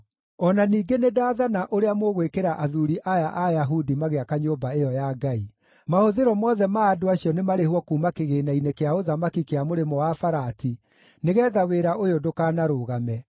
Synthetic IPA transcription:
ɔnaniːɡenedaːðanaʔoɾeamoɣwekeɾaʔaðuɾiʔajaʔajaɦudimaɣeakaɲoːbaejɔjaɡai | mahoðeɾɔmwɔðɛmaːdoaɕjɔnemaɾehwɔkuːmakeɣenainekeaoðamakikeamoɾemɔwafaɾati | neɣɛːðaweɾaʔojodokaːnaɾoɣamɛ

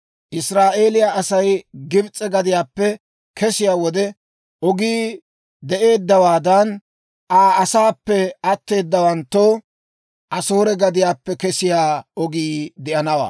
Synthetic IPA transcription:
ʔɪsɾaːʔe̞ːlɪjaʔɐsɐjɡɪbt͡sʼːɛɡɐd̪ɪjaːpːɛ | kʰɛsɪjaːwɔd̪ɛ | ɔɡiː | d̪ɛʔe̞ːd̪ːɐwaːd̪ɐn | ʔaːɐsaːpːɛɐt̪ːe̞ːd̪ːɐwɐnt̪ːo | ʔɐsoːɾɛɡɐd̪ɪjaːpːɛkɛsɪjaːɔɡiːd̪ɪʔɐnɐwa̰ː

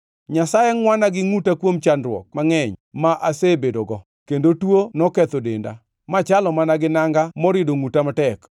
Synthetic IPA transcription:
ɲasajeŋwanaɡɪŋutakwomt͡ʃanɾwɔ̰k̚maŋɛɲmaʔasebedoɡɔ | kendotwonɔkɛt̪odenda̰ | mat͡ʃalɔmanaɡɪnaŋɡamɔɾɪdoŋutamatɛk

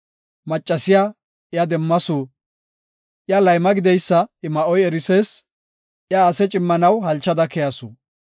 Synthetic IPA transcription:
mɐt͡ʃʼːɐsɪja | ɪjad̪ɛmːɐsuː | ʔjalɐjmɐɡɪd̪ɛjsːɐɪmɐʔɔjɛɾɪseːs | jaːsɛt͡ʃʼɪmːɐnɐwhɐlt͡ʃːɐd̪ɐkɛjɐsu

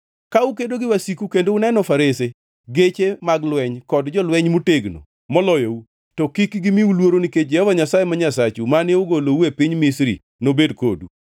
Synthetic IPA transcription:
kaukedoɡɪwasikukendounɛnɔfaɾese | ɡet͡ʃemaɡlwɛɲkɔdd͡ʒɔlwɛɲmuteɡno̰ | mɔlɔjɔu | tɔkikɡɪmiulwoɾoniked͡ʒɛhɔvaɲasajemaɲasat͡ʃumanɪoɡolouepɪɲmɪsɾḭ | nobedko̰dṵ

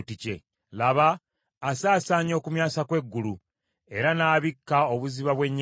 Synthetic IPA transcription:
tice̞̰ | laβaː | saːsaːɲo̞ːkumjaːsakwe̞ɡːulu | e̞ɾanaːβikːao̞βuziβaβwe̞ɲː

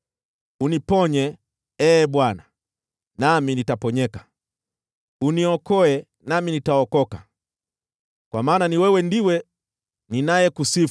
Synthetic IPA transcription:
unipɔɲɛ | ɛːɓwana | naminitapɔɲɛkḁ | uniɔkɔɛ | naminitaɔkɔka | kwamaːnaniwɛwɛndiwɛ | ninajɛkusif

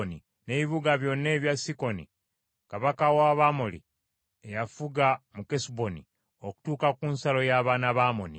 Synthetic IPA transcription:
ni | ne̞βiβuɡaβjo̞nːe̞ːβjasiko̞nḭ | kaβakawaβamolḭ | ejafuɡamukesbo̞nḭ | o̞ku̥tuːkakunsalo̞jaːβaːnaβaːmo̰nḭ

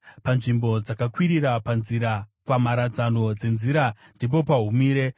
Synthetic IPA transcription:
panʐimbo̞d͡zakakwiɾiɾapanziɾapamaɾad͡zano̞d͡ze̞nziɾa | ndip̬o̞paɦumiːɾe̞

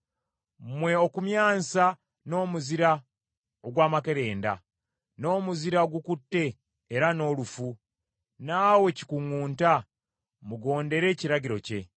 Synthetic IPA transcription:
mwe̞o̞kumjaːnsa | no̞ːmuziɾa | oɡwaːmake̞ɾe̞ːnda̰ | no̞ːmuziɾaoɡukutːe̞ː | ɾano̞ːlufu | naːwe̞ci̥kuŋuːnta | muɡo̞ːnde̞ɾe̞ːciɾaɟiɾo̞ce̞̰

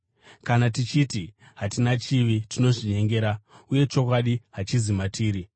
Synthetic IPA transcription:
kanatit͡ʃiti | ɦatinat͡ʃiʋitino̞ʐiɲe̞ŋɡe̞ːɾauje̞t͡ʃo̞kwaɗiɦat͡ʃizimatiːɾi

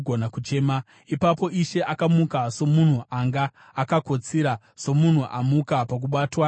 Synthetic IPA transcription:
ɡʱonakut͡ʃe̞ːma | ipapo̞ʔiʃe̞ʔakamukaso̞mun̤uʔaŋɡaː | kakot͡siɾa | so̞mun̤uʔamukapak̬uɓaːtwa

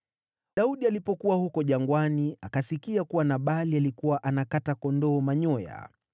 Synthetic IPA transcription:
ɗauɗialipɔkuwahukɔʄaŋɡwaniakasikiakuwanaɓalialikuwaʔanakatakɔndɔːmaɲɔja̰

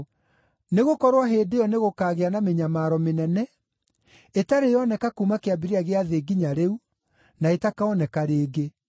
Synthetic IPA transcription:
neɣokɔɾwaɦeːdeɔneɣokaːɣeanameɲamaːɾɔmenɛnɛ | etaɾejɔnɛkakumakeabiɾiaɣeaðeɡiɲaɾeu | naetakaɔnɛkaɾeːɡe

